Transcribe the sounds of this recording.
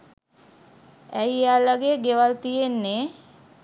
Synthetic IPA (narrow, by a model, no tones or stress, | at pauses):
æjjaːlaɡeɡeʋalt̪ijenːe